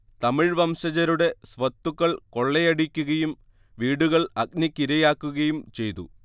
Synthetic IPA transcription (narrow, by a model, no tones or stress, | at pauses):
t̪ɐmiɻʋɐmɕɐd͡ʑɐɾuɽe̞sʋɐt̪ːukːɐɭko̞ɭːejɐɽikʲːuɣɐjum | ʋiːɽuɣɐɭɐk̚nikʲːiɾɐjaːkːuɣɐjumt͡ɕe̞jt̪ṵ